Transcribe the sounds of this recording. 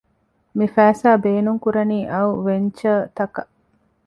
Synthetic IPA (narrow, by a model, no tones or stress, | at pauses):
mifæːsaːbeːnuŋkuɾɐniːʔɐwʋeɲt͡ʃɐːt̪ɐkɐʔ